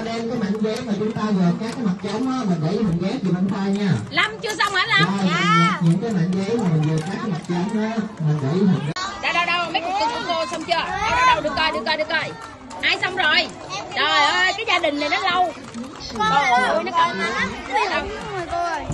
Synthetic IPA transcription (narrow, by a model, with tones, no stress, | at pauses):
ɗɛ˧mkaː˨˦jma̰ː˧˨˦nze˨˦˥maː˨˩t͡ɕʊ˨˦ŋ͡mt̪aː˧zəː˨˩kaː˦˥kːaː˨˦jma˨˩t̚t͡ɕə˨˦wŋ͡mʔaː˨˦ma˨˩nɗə̰˧˩˦hɨ˨˩nɣɛ˨˦t͡ɕʰi˨˩ma˧nt̪ʰaː˧jɲaː˧˩la˧mt͡ɕɨ˧əsa˧wŋ͡mʔəː˨˦la˨˧˨i˨˩t̚ɲɨ̰˧˥ŋkaː˨˦jma̰˧˨˥ŋze˨˦maː˨˩m˨˩ŋzəː˨˩kaː˦˥kːaː˨˦ma˨˩t̚t͡ɕə˨˦wŋ͡mʔaː˨˦˥ma˨˩ŋɗə̰˧˩hḭ˨˩ŋ̚˧˦ɗa˧wɗə˧wɗə˧wme˦˥t̚kɨ˨˧˩kɔ˧˦k̪o˧sə˧wŋ͡mt͡ɕɨ˧ə˧ɗa˧wɗə˧wɗə˧wɗɨ˨˩ək̚kɔː˧jɗɨ˨˩ək̚ːɔ˧ɗɨ˨˩əkːɔ˧˩j | ʔaː˧jsa˧wŋ͡mzo˨˩j | ɗɔ˨˩˧jkaː˨˦jzaː˧ɗï˨˩ŋ̟na˨˩jnɔ˨˦lə˧w | ɔ̰˨˦˨jnɔ˨˦kɔ˧jsa˧wŋ͡m